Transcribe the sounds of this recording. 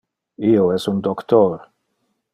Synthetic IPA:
ioɛsund̪okt̪oɾ

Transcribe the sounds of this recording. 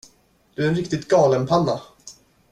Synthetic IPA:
d̪̥ɵæɾɛnɾɪkt̪ɪɡ̚t̪ɡɑːlənpʰanːa

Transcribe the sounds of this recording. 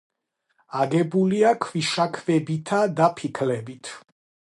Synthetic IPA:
aɡɛbuliakʰviʃakʰvɛbit̪ʰad̪apʰikʰlɛbit̪ʰ

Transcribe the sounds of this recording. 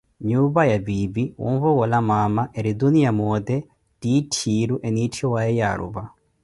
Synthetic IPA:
ɲuβajabibiwṵmvɔɡɔlamamaʔeɾid̪unijamɔd̪ɛ | d̥itʰiɾuʔɛnitʰiwaɛja̰ɺṵβa

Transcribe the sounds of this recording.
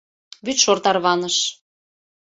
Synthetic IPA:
βyt̪ʃort̪ɑrβɑnəʃ

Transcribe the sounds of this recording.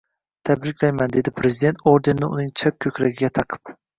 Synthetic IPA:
t̪ʰæbɾɪkʲʰlajmand̪ed̪ɪpʰɾezid̪e̞nt̪ʰoɾd̪ennɪʊnɪŋt͡ʃʰap̚kʲʰɵkʲɾaɡʲiɡʲɛt̪ʰɑqʰɨ̥p

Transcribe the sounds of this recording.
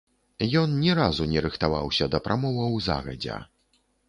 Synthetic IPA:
jɔnnʲɛɾazunʲɛɾɨxt̪avawsʲɐd̪ɐpɾʔamɔvɐwza̰ɣɐ̰d͡zʲɛ̰

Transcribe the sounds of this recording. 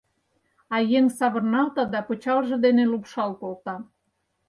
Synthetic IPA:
ɑjeŋsɑβɤ̆rnɑlt̪ɑd̪ɑpŏt͡ɕɑlʒɤ̆d̪enelupʃɑlkolt̪ɑ

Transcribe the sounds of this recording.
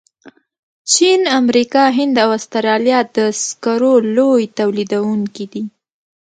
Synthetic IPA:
t͡ʃinamɾikɑɦɪnd̪awast̪aɾɑljɑt̪̚d̪əskaɾolojt̪awlid̪awuŋkid̪i

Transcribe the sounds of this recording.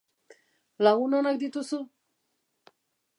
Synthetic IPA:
lawunanak̚d̪it̪usu

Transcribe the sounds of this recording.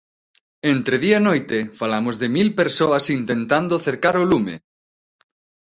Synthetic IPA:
ent̪ɾeðiɐenojt̪ɪfalamozðɪmilpeɾsoɐsint̪ent̪and̪oθeɾkaɾolumḛ

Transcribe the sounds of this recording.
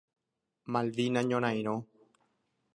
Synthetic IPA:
mãld̪inãɲõɾ̃ãj̃ɾ̃õ

